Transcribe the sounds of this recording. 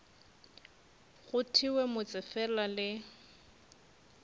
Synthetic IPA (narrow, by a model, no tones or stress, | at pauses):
ɣʊtʰiwɛmʊt͡sʼɪfɛlalɪ